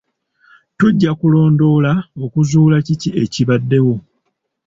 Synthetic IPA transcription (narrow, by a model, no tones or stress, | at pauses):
tuɟːakulo̞ːndo̞laokuzuːlacicie̞ciβadːe̞wo̞